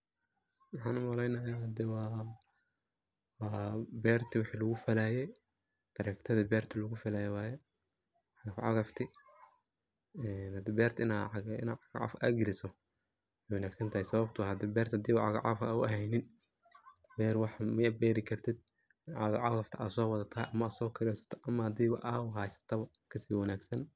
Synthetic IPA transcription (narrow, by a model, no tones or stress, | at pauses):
wɑħɑːnʊmɐɾɛjnɐjaːhɐd̪ɛwɑː | bɛːrt̪ʰɪwʊħiːlɐɣʊfɐlaːjɛ | d̪̥ɐɾɛkt̪ʰɐðɐbɛːrt̪ʰɪlɐɣʊfɐlaːjɛwaːjɛ | ʕɑɣɐfʕɑ̰ɣɐft̪ʰɪ | ɛnhd̪ibɛːrt̪ʰɪnaʕɪ̰naʕɑɣaʕa̰fa̰ːɡɪlɪsɔ | ɛjwɑnaːɡsɐnt̪ʰaːhɛsɐβɐbt̪ʰʊhɐd̪iːbɛːrt̪ʰd̪iːβʕɑ̰ɣa̰ʕɑ̰fkaːʊɐɦɛjnɪn | bɛːɾwɑħmɐabɛːɾɪkʰɐrt̪ʰɪd̪̚ | ɪnʕɑɣɐʕɑɣɐft̪ʰɐʔa̰ːsɔːwɐðɐt̪ʰɐɦɛʔɐmɐaːsɔːkʰɪɾɛsɐ̥t̪ʰɔ̥ʔɐmɐhɐd̪iːβɐʔawʊhaːsɐ̥t̪ʰɐβɐ | kʰɐsiːwɐnaːɡsɐn